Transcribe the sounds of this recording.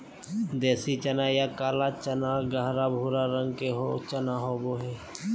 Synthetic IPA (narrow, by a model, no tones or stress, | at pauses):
d̪eːsit͡ʃənaːjaːkaːlaːt͡ʃənaːɡaɦɾaːbʱuːɾaɾə̃ŋɡkeɦo̰t͡ʃənaːɦoːboɦɛː